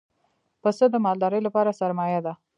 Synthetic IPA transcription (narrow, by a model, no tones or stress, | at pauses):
pəsəd̪əmɑld̪ɑɾəjlapɑɾasaɾmɑjad̪a